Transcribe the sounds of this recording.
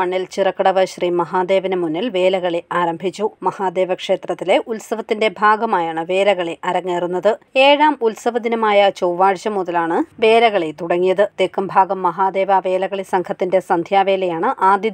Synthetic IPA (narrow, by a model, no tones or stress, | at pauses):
ɐɳːilt͡ɕirɐkːɐɽɐʋɐɕriːmɐɦaːd̪e̞ːʋinɨmunːilʋe̞ːlɐɣɐɭeaːɾɐmbʱit͡ɕːumɐhaːd̪e̞ːʋɐkʂe̞ːt̪rɐt̪ːile̞ʔulsɐʋɐt̪ːinde̞bʱaːɡɐmaːjaːɳɨʋe̞ːlɐɣɐɭeʔɐɾɐŋːeːrunːɐðɨe̞ːɻaːmulsɐʋɐd̪inɐmaːjɐt͡ɕoːʋaːɻɕɐmuðɐlaːɳɨʋe̞ːlɐɣɐɭet̪uɽɐŋːijɐðɨd̪ekːɐmbʱaːɡɐmːɐɦaːd̪e̞ːʋɐʋeːlɐɣɐɭisɐŋkʰɐt̪ːinde̞sɐnd̪ʱjaːʋe̞ːlɐjaːɳɨʔaːd̪ji